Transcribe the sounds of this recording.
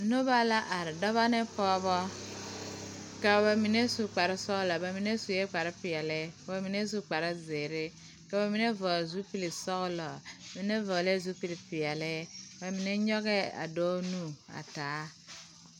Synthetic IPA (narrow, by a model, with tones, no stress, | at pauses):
no˦ba˦la˦ʔa˨ɾɪ˨dɔ˦βa˦ne˦pɔː˦bɔ˦ | ka˨ba˨mi˨ne˦su˨k͡pa˨ɾɪ˦sɔ˦ɣlɔ˨ba˨mi˨ne˦su˨je˦k͡pa˨ɾɪ˦pi˨jɛ˨le˦a˨ba˨mi˨ne˦su˦k͡pa˨ɾɪ˦ze˨ɾɪ˦ | ka˨ba˨mi˨˦ne˦vɔ˨zu˦pi˦li˨sɔ˦ɣlɔ˨mi˨ne˦vɔ˨le˦zu˦pi˦li˨pi˨jɛ˨le˦ba˨mi˨ne˦ɲɔ˦ɡɛ˦a̰˨do˦nu˦a̰˨taː˨˦